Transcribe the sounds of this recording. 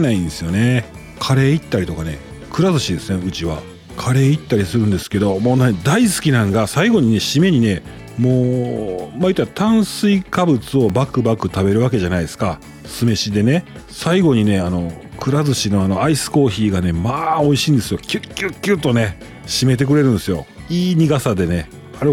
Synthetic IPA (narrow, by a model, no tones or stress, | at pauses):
naĩnd̪esɨjo̞ne̞ | kʰaɾe̞ːit̪ːaɾit̪o̞kane̞ | kɯ̟ɾazɨɕid̪esɨne̞ɯ̟t͡ɕiβa̰ | kʰaɾe̞ːit̪ːaɾʲisɨɾɯ̟̃nd̪e̞sɨ̥ke̞d̪o̞moːned̪aisɨ̥kʲinãŋɡasaiɡo̞ɲ̟ine̞ɕime̞ɲ̟ine̞ | moː | mait̪ot̪ãɰ̃sɨikabɯ̟t͡sɨo̞bakɯ̟bakɯ̟t̪abe̞ɾɯ̟βake̞ʑanaid̪e̞sɨ̥ka | sɨme̞ɕid̪e̞ne̞ | saiɡo̞ɲ̟ine̞ano̞ | kɯ̟ɾazɨɕino̞ano̞aisɨ̥ko̞ːçiːɡane̞maːo̞iɕiːnd̪e̞sɨjo̞kʲɨkʲɨkʲːɨːt̪ːo̞ne̞ | ɕime̞t̪̬e̞k̬ɯ̟ɾe̞ɾɯ̟̃nd̪e̞sɨjo̞̰ | iːɲ̟iɡasad̪e̞ne̞ | aɾe